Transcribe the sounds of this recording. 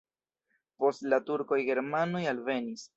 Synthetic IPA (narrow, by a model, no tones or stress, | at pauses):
po̞stlatuɾko̞jɡe̞ɾmanojalve̞nis